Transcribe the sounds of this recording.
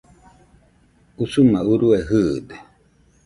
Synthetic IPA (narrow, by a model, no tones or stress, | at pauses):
usumãuɾueɦɨːd̪e̥